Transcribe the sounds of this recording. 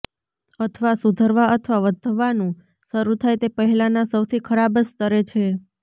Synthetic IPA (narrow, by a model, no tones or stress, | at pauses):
ət̪ʰʋasud̪ʱəɾʋaʔət̪ʰʋaʋəd̪ʱəʋanũ | ʃəɾut̪ʰajt̪epəɦɛlanasəwt̪ʰikʰəɾabəst̪əɾet͡ʃʰe